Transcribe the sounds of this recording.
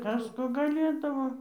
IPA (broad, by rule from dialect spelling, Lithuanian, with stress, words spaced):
ˈkɐs ˈkoː ɡɐˈlʲeːdɐʋoː